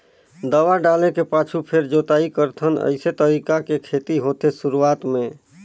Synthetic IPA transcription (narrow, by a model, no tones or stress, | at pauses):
d̪əwaɖalẽkepat͡ʃʰupʰeɾd͡ʒot̪aikəɾt̪ʰənə̰ɪset̪əɾikakekʰet̪iɦot̪esuɾuat̪mẽ